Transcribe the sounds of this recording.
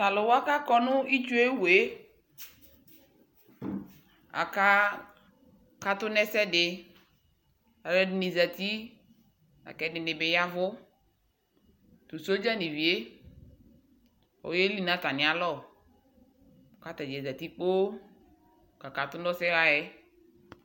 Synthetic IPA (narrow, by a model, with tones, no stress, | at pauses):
ta˨lɔ˨wɔ˦a˦ka˦kɔ˦nʊ˦i˦t͡ʃu˦e˦we˨˦ | a̰˨ka˦ | ka˦tʊ˦nɛ˦sɛ˦dɪ˨ | a˨lɛ˦dɪ˦nɪ˨za˨t̪i˦ | a̰˨kɛ˦dɪ˨nɪ˨bɪ˨ja˦vʊ˦ | tʊ˨so˦d͡ʒa˦nɪ˨vi˨e˦ | ɔ̰˨je˦li˦nã˨˦ta˨nɪ̃˨a˦lɔ˦˨ | ka˦ta˨d͡ʒɛ˨za˨ti˦k͡po˦˨ | ka˨ka˨tʊ˦dɔ˦sɛ˦ɣa˦ɛ˦